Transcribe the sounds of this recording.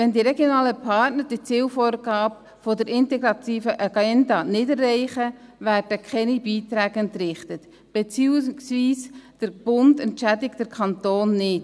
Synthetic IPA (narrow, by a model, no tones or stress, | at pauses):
ʋɛndiɾɛɡjonɑːləpʰɑtnəɾd̥it͡siːlfoːɾɡ̥ɑːb̚ | fodəɾʔɪntɛɡɾɑt̪iːfəʔɑɡɛndɑnɪdɛrːɛɪχəvæːɾd̥əkʰχɛnibiːt̪ɾæːɡənt̪ɾɪχtət | b̥et͡siːsviːsd̥əɾb̥ʊndɛntʃædɪktəɾkʰɑnt̪oːnːɪt